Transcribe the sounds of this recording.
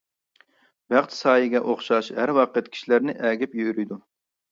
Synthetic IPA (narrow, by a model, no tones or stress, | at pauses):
b̥æχt̪sɑːjɪɡʲɛʔoχʃɑʃɦæɾwɑːqʰəɛt̪̚kʲʰi̥ʃilæɾnɪʔɛːɡʲɪpjøɾyjd̪u